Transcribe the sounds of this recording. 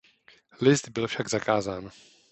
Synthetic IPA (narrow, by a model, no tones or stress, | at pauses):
lɪsd̪bɪlfʃaɡzakaːzaːn